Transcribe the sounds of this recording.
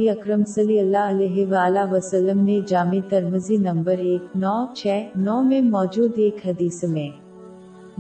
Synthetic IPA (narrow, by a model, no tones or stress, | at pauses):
iɐkɾəmsɐliɐlːaɐlɛːɦɪʋaːlaʋɐsəlːəmned͡ʒaːmet̪ɐɾməzinɐ̃mbəɾeːknɔːt͡ʃʰɛːnɔːmẽmɔːd͡ʒuːd̪eːkɦɐd̪iːsmẽː